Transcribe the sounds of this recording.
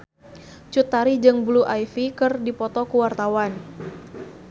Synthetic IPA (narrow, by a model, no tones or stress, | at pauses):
t͡ʃut̪ːaɾid͡ʒɨŋbuluʔajfikɨrdipɔt̪ɔkuwart̪awan